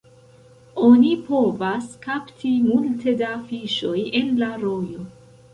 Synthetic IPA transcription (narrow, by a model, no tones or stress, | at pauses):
o̞nipo̞vaskaptʰimultʰe̞daːfiʃo̞je̞nlaɾo̞jo̞